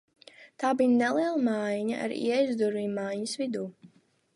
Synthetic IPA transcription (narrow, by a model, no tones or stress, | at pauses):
t̪aːbijnɛlˠiɛlˠamajɲa̰ʔa̰ɾḭɛjzd̪uɾviːajɲəsvid̪uː